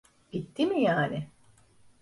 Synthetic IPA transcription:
b̥it̪ːimijaːnɪ

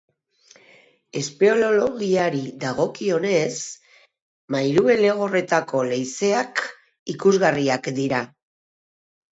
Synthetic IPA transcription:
e̞spe̞o̞lo̞lo̞ɣiaɾiðaɣ̞o̞kio̞ne̞s | majɾue̞le̞ɣ̞o̞re̞t̪ako̞le̞jse̞ak | ikuzɣariakd̪iɾa

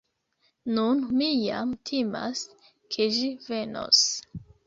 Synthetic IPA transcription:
nunmija̰mtʰima̰s | kʰe̞ʒive̞no̞̰s

